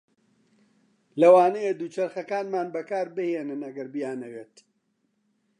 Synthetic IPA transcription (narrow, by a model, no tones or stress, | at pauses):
lɐwaːnɐjed̪uːt͡ʃɐɾχɐkaːnmaːnbɐkaːɾbɨheːnɨnɐɡɐɾbijaːnɐweːt̪